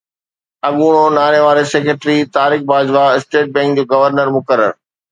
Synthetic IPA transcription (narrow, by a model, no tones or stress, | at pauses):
ɐɠuːɽ̃onaːɽeʋaːɾeseːkeʈɾit̪aːɾɪkbaːd͡ʑʋaɪsʈeːʈ̚bɛ̃ːŋk̚d͡ʑoːɡɐʋəɾnəɾmʊkəɾə̰ɾ